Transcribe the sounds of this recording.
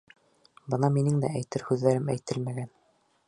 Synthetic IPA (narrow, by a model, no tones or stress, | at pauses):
bɤnɑminɘŋd̪æ̰æjt̪ɘɾhʉðːæɾɘmæjt̪ɘlmæɡæn